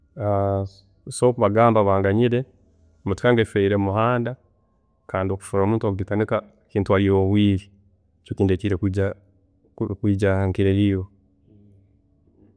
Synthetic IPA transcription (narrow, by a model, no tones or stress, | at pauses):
a | sokuβaɡaːmbaβaːŋɡaɲiɾe̞ | mutu̥kaŋɡefeiɾemuhaːnda | kaːndio̞ku̥fuɾomuːntoɡuɡitanika | kiːntuhaɾijoβwiːɾi | cokiːndeciɾekːd͡ʒa | kwiːd͡ʒaaŋkiɾeɾiːwo